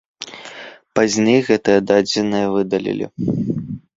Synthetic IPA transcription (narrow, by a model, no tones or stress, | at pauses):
pazʲnʲejɣɛt̪ɨjɐd̪ad͡zʲɪnɨjɐvɨd̪ɐlʲḭlʲḭ